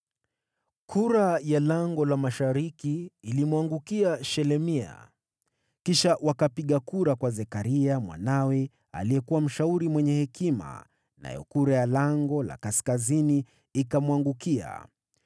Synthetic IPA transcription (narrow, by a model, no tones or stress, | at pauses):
kʰuɾajalaŋɡɔlamaʃaɾikiːlimuaŋɡukiaʃɛlɛmia̰ | kiʃawakapiɠakuɾakwazɛkaɾiamwa̰nawɛ | a̰liɛkuwam̩ʃauɾimwɛɲɛhɛkima̰ | na̰jɔ̰kuɾajalaŋɡɔla̰kaskaziniː | kamwaŋɡukia̰